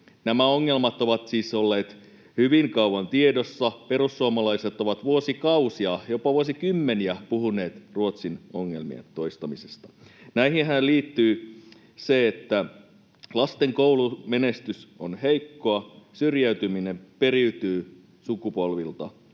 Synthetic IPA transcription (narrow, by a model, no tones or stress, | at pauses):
næmæoŋːe̞lmɑt̪oʋɑt̪siːsolːeːt̪ | hyʋiŋkɑuɑnt̪iedosːɑpe̞ɾusːuomɑlɑiset̪oʋɑt̪ʋuosikɑusiɑjopɑʋuosikymːeniæpuɦune̞ːt̪ruot̪sinoŋːḛlmḭḛnt̪o̞ist̪ɑmise̥st̪ɑ̥næiɦiɦælliːt̪ːyː | seet̪ːæ | lɑst̪eŋkoulumenest̪ysonheikːoɑsyrjæyt̪yminempeɾiyt̪yː | sukupo̞lʋilt̪ɑ